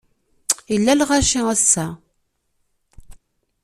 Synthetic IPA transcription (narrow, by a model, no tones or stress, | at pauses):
jəlːælʁaʃiæsːæ